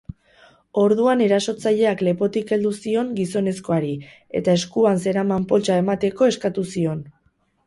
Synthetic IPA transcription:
o̞ɾðuane̞ɾaso̞t͡saʎe̞akle̞po̞t̪ike̞ld̪usio̞ŋɡiso̞ne̞sko̞aɾi | e̞̰t̪ae̞skuanse̞ɾamampo̞lt͡ʃae̞mat̪e̞ko̞e̞skat̪usio̞n

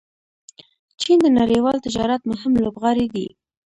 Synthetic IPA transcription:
t͡ʃind̪ənaɾəjwɑlt̪ɪd͡ʒɑɾat̪mʊɦɪmlobɣɑɾid̪ḭ

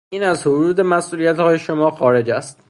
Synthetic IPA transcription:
iːnæzhoɾuːd̪emæsʔuːlijæt̪hɒːje̞ʃomɒːxɒːɾe̞d͡ʒæst̪

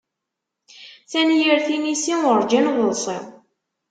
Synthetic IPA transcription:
θænjəɾθinisiʊɾˤd͡ʒinðəlsˤḭ

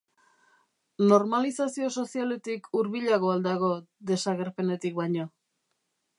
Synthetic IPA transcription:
no̞ɾmalisasio̞so̞siale̞t̪ikʰuɾβiʎaɣo̞ald̪aɣ̞o̞d̪e̞saɣe̞ɾpe̞ne̞t̪ik̚bajɲo̞

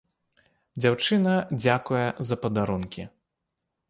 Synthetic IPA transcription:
d͡zʲawt͡ʂɨnɐd͡zʲakujɛzɐpɐd̪aɾunkʲḭ

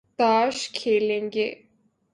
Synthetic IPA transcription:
t̪aːʃkʰeːlẽːŋɡḛː

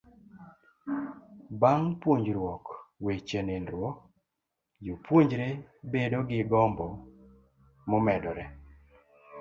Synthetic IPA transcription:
baŋpwoɲd͡ʒɾwɔkwet͡ʃenenɾwɔ | jopwoɲd͡ʒɾebedoɡɪɡɔmbɔ | momɛdɔɾɛ

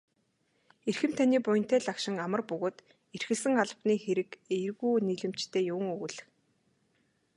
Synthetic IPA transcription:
erxɘ̆mt̪ʰaniːpʊj̆n̥t̪æːɮakʃɪ̆ŋamə̆rpɵɣoːt̪ | erxɘ̆ɮsɘ̆ŋaɮpniːxeɾɘ̆kerɣuːniːɮɘ̆m̥t͡ɕt̪ʰeːjʊw̆ŋɵɣɘ̆ɮɘ̆x

